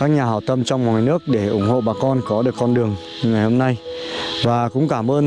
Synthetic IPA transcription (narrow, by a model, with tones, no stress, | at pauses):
kaː˦˥k̚ɲaː˨˩ɦaː˧˩wt̪ə˧mt͡ɕɔ˧wŋ͡mmwaː˨˩jnɨ˦˥ək̚ɗe˧˩ʔʊ˧˩ŋ͡mho̰˧˨ɓaː˨˩kɔ˧nkɔ˨˦ɗɨ˨˩əkːɔ˧nɗɨ˨˩əŋ˧ | ŋa˨˩jho˧mna˧jvaː˨˩kʊ̰˧˥ŋ͡mkaː˧˩mʔəː˧n